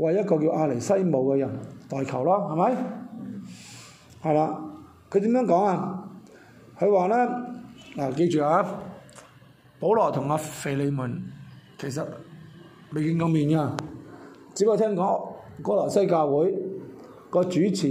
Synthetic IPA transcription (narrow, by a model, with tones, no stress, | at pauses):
wɐ˨jɐ˥t̚kɔː˧kiː˧wʔaː˧le˨˩jsɐ˥jmo˨˧wkɛː˧jɐ˨˩nt̪ɔː˨jkʰɐ˨˩wlɔː˥hɐ˨˩mɐ˨˦j | hɐ˨jlaː˧ | kʰɵ˨˧t̪i˨˥mjœː˨˥ŋkɔː˨˥ŋaː˧ | kʰɵ˨˧waː˨lɛː˥laː˨ke˧jt͡ʃyː˨aː˨˧˥ | po˨˥wlɔː˨˩t̪ʰʊ˨˩ŋaː˧fe˧jle˨˧jmʊː˨˩nkʰe˨˩js̬ɐ˨t̚ | me˨jki˧ŋkɔ˨˧ŋmiː˨nkaː˧ | t͡siː˨˥pe˥˧t̪ʰɛː˥ŋkɔː˨˥ŋkɔː˥lɔː˨˩sɐ˥jkaː˧wwuː˨˥j | kɔː˧t͡ʃyː˨˥t͡sʰiː˨